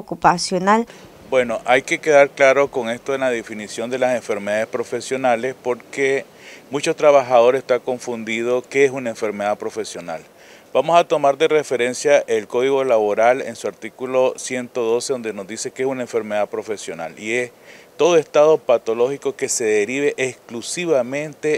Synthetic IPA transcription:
kupasjonal | bwe̞no̞ʔajke̞ke̞ðaɾklaɾo̞ko̞ŋe̞st̪oðelað̞e̞finisjo̞nd̪e̞lase̞ɱfe̞ɾmeðaðespɾo̞fe̞sjo̞nale̞spo̞ɾke | mũt͡ʃot̪ɾaβaxaðo̞ɾe̞st̪ako̞ɱfund̪iðo̞keesunaeɱfe̞ɾmeðapɾo̞fe̞sjo̞nal | b̥amo̞sat̪o̞maɾd̪e̞re̞fe̞ɾe̞nsjaʔelko̞ðiɣo̞laβo̞ɾalḛnsuaɾt̪ikulo̞sje̞nt̪o̞ðo̞seðo̞nd̪e̞no̞zd̪ise̞keesunaeɱfe̞ɾme̞ðapɾo̞fe̞sjo̞na̰lie̞st̪o̞ðo̞est̪að̞o̞pat̪o̞lo̞xiko̞ke̞se̞ðeɾiβe̞ʔesklusiβamẽ̞nt̪e̞

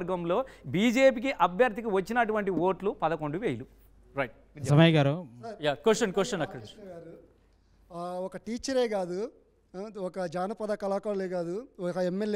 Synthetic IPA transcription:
ɾɡɐmlo̞ːbiːd͡ʒe̞ːp̬ikiʔɐbʱjɐɾt̪ik̬iʋɐt͡ʃːinɐʈuʋɐɳʈio̞ːʈlupɐd̪ɐko̞ɳɖuʋeːjlu | ɾɐjʈ̚ | d̪jɐmajɡaːɾojaːkwesʈɐnkwest͡ʃɐnɐkːɐɽɐɾu | ɔkɐʈiːt͡ʃːɐɾeːɡaːd̪u | ɔkɐd͡ʒaːnɐpɐd̪ɐkɐlaːkɐɽɐleːɡaːd̪uɔkɐemːel

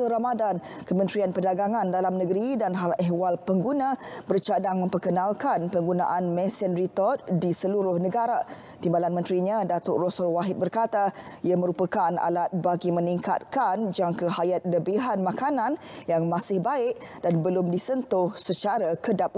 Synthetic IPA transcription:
əɾamadankəmə̃nt̪ɾianpəndaɡaŋãndalamnəɡəɾidanɦalɛɦwalpəŋɡunãbərt͡ʃadaŋmə̃mpərkənãlkanpəŋɡuna̰ʔanmɛ̃sɛnɾit̪ɔt̪̚disəluɾʊhnəɡaɾa | t̪imbalanmə̃nt̪ɾiɲãdat̪ɔʔrɔsʊlwaɦɪt̪̚bərkat̪aiaməɾupəkana̰lat̪̚baɡimə̃niŋka̰t̪̚kand͡ʒaŋkaɦajat̪̚ləbiɦanmakanãnjaŋmãsɪhbaɪʔ̚d̥anbəlʊmdisənt̪ʊhsət͡ʃaɾakədap̚

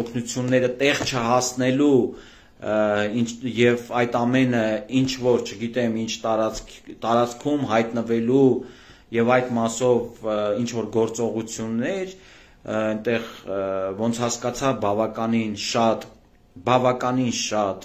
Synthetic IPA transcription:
ɔkʰnut͡sʰjunːɛɾət̪ɛʁt͡ʃʰəhɑsnɛlu | injɛvɑjt̪ɑmɛnəint͡ʃʰvɔɾt͡ʃʰəɡit̪ɛmint͡ʃʰt̪ɑɾɑkʰt̪ɑɾɑt͡skʰumɦɑjt̪nəvɛlu | jɛvɑjd̪mɑsɔvint͡ʃʰvɔɾɡɔɾt͡sɔʁut͡sʰjunːɛɾ | ɛnt̪ɛʁvɔnt͡sʰhɑskɑt͡sʰɑvbɑvɑkɑninʃɑt̪ | bɑvɑkɑninʃɑt̪

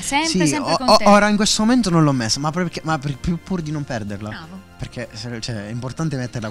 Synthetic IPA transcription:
ssiooːɾaiŋkwest̪omoment̪onõnlɔmːesːomapːɔpekːemapepːjupːuɾd̪inompɛrd̪erlaperk̟ʰːesɛt͡ʃɛɛimport̪ant̪̬emet̪ːeɾla

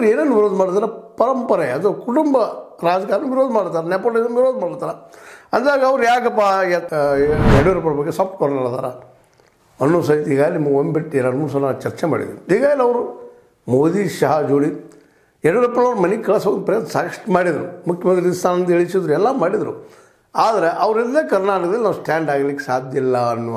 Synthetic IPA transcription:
ɐɾeːnenːuʋiɾoːd̪ɐmaːɽt̪aːɾɐpɐɾɐmpɐɾeɐd̪ɐkuʈumbɐɾaːd͡ʒɐkaːɾɐnuʋiɾoːd̪ɐmaːɽt̪aːɾɐnɛpolezɐnʋiɾoːd̪ɐmaːɽt̪aːɾɐɐnd̪aːɡɐɐʋɾujaːɡɐpːa | ɛɽuɾɐpːɐɾɐbɐɡːesɐpʈkɔɽnɐɭt̪a̰ːɾɐ | ɐnːuːs̬ɐit̪iɡaːɡlmɐɡombiʈːiɾɐnmuːs̬ɐnːat͡ʃɐɾt͡ʃema̰ːɽḭd̪ɾuiːɡaːɡleɐʋɐɾu | moːd̪iʃɐɦad͡ʒuːɽi | ɛɽuɾɐpːɐɭɐʋɾmɐnikɐɭɐsoːɡnupɾejɐd̪saːkɐʂʈmaːɽid̪ɐɾumukʰjɐmɐnd̪ɾiist̪aːnɐnd̪eɭisid̪ɾuɛlːamaːɽid̪ɐɾu | aːd̪ɐɾeʔɐʋɾild̪ekɐɾnaːʈɐkɐd̪ɐlʲinaːʋusʈaːɳɖaːɡlikːesaːd̪ʱjɐlːɐɐnːuʋɐ

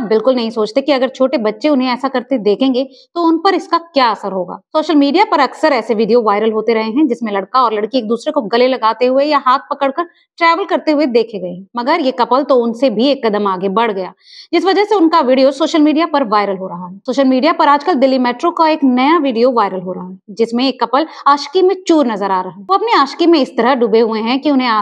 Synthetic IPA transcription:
abbɪlkʊlnɐɦĩsoːt͡ʃt̪ekiɐɡəɾt͡ʃʰoːʈebɐtːʃeʊnɦẽɛːsakɐɾt̪ed̪eːkʰẽːŋɡe | t̪oʊnpɐɾɪskakjaːɐsəɾɦoːɡa̰ːsoːʃəlmiːɖijapɐɾɐksəɾɛːseʋiːɖijoʋaːɪɾəlɦoːt̪eɾɐɦeɦɛ̃d͡ʒɪsmẽlɐɽkaɔːɾlɐɽkieːk̚d̪uːsɾekoɡɐlelɐɡaːt̪eɦʊejaɦaːt̪̚ʰpɐkəɽkɐɾ | ʈɾɛːʋəlkɐɾt̪eɦʊed̪eːkʰeɡɐẽɦɛ̃mɐɡəɾjekɐpəlt̪oʊnsebʱieːkːɐd̪əmaːɡebɐɽɡɐja̰ː | d͡ʒɪsʋɐd͡ʒəseʊnkaʋiːɖijosoːʃəlmiːɖijapɐɾʋaːɪɾəlɦoɾɐɦaɦɛːsoːʃəlmiːɖijapɐɾaːd͡ʒkəlɖɪlːimɛːʈɾõkaeːknɐjaʋiːɖijoʋaːɪɾəlɦoɾɐɦaɦd͡ʒɪsmẽeːkːɐpəlaːʃkimẽt͡ʃuːɾnɐzəɾaːɾɐɦaoɐpniaːʃkimẽɪst̪ɐɾaɖʊbeɦʊeɦɛ̃kiʊnɦẽaː

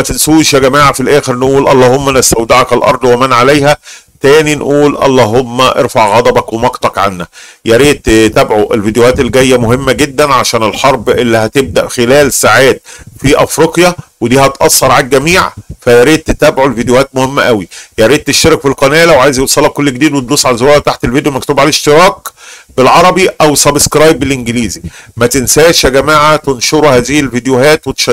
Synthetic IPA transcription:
mæt̪esuːʃjæɡæmaːʕafilʔæːxeɾnʔuːlʔɑlˤːɑːhomːænæst̪æwd̪ɑʕɑkælʔɑ̰ɾˤd̪ˤwemænʕalæjhæt̪æːninʔuːlʔɑ̰lˤːɑːɦomːæʔeɾfɑʕɣɑd̪ˤɑbɑkwemɑqt̪ˤɑkʕa̰nːækjæɾiːt̪t̪æbʕoʔelvid̪johæːt̪elːɡæjːæmohemːæɡed̪ːænʕaʃæːnelħɑɾˤbelːihæt̪eb̚d̪æʔxelæːlsaʕaːt̪̚fiʔæfɾeqjæwed̪iːhɑt̪ʔɑsˤːɑɾˤʕak̚ɡæmiːʕfæjɑɾiːd̪̚t̪et̪æːbʕolvid̪ejohæːt̪̚mohemːæ̰ʔæwijɑɾiːd̪̚t̪eʃt̪eɾkfilqɑnæːlæweʕaːjzjewsˤɑlːɑkolːeɡed̪iːd̪wet̪̚luːsˤːʕalæzowæːlt̪aħt̪elvid̪jomækt̪uːbʕalæeʃt̪eɾˤɑːkbelʕɑɾˤɑbiʔæwsæbskɾˤɑːjbelʔenɡeliːzimæt̪ensæːʃæɡæmaːʕat̪enʃoɾuhæːzɪhilvid̪johæːt̪wet̪e̥ʃæ

